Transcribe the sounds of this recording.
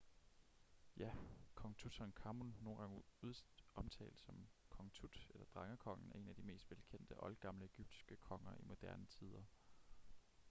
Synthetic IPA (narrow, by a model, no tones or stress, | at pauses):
jækʰɒ̽ŋt͡sʰud̥ʰhɑɒnkʰɑ̈munnːo̝ːn̩ɡ̥ɑ̈ŋuðˠɒ̽mt͡sʰɛ̰ːld̥sɒ̽mkʰɒ̽ŋt͡sʰud̥elɐd̥ʁɑ̈ŋɐkʰɒ̽ŋ̰n̩æɐe̝næd̥ime̝̰ːsd̥ʋelkʰen̰d̥əʔɒ̽lɡ̥ɑ̈mləe̝ɡ̥yb̥̚d̥i̥sɡ̥əkʰɒ̽ŋɐimo̝d̥æɐnət͡sʰið̞ˠɐ